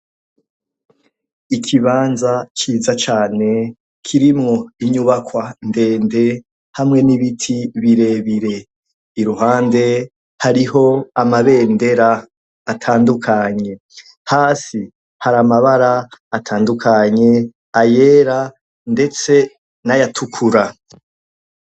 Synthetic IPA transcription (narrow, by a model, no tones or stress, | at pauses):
ikʰiβaːnzakiːzat͡ʃaːne̞ | kʰiɾimŋo̞iɲuβakwande̞ːnde̞ | hamŋe̞niβitʰiβiɾe̞ːβiɾe̞ | iɾuɦaːnde̞ | haɾiɦo̞amaβe̞ːnde̞ɾaː | tʰaːndukʰaɲe̞ | haːsi | haɾamaβaɾaːtʰaːndukʰaɲe̞ | aje̞ːɾa | nde̞t͡se̞ | najatʰukʰuɾa